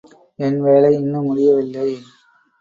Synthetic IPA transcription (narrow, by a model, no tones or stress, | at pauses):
ɛnʋeːlɐɪɪnːɯmʊɽɪjɐʋɪlːɐɪ